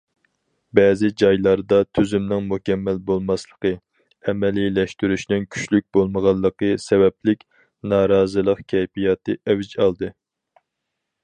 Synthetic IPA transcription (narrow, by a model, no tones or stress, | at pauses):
bɛːzɪd͡ʒɑjlˠɑɾd̪ɑt̪ʰyzymnɪŋmukʲɛmːælbolˠmɑslˠəqə | ɛmɛlilɛʃt̪yɾyʃnɪnkʲʰy̥t͡ʃlyk̚ʲbolˠməʁɑlˠːəqɨsɛvɛplɪkʲ | nɑːɾɑːzɨlˠəqkʲʰɛjpijɑt̪ɨʔɛwɪd͡ʒɑlˠd̪ɨ